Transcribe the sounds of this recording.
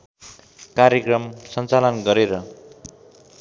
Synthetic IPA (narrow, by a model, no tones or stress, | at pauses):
kaɾjʌkrʌmsʌnt͡salʌnɡʌɾeɾʌ